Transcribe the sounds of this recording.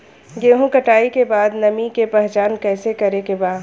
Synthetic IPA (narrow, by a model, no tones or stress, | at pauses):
ɡeːɦũkɐʈaːikebaːd̪nɐmikepɛɦt͡ʃaːnkɛːsekɐɾekebaːd̪